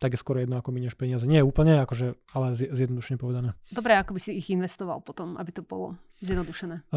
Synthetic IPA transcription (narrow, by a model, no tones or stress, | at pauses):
t̪aɡjɛskwɔɾɔjɛd̪nɔakɔmiɲɛʃpɛɲɪazɛɲɪɛjɛuːpl̩ɲɛakɔʒɛ | alɛzzjɛd̪nɔd̪uʃɛɲɛpɔʋɛd̪anɛːd̪ɔbɾɛakɔbisiːɣinʋɛst̪ɔʋa̰lˠpɔt̪ɔma̰bit̪ɔbɔ̰lɔ̰ | zjɛd̪nɔd̪uʃɛnɛː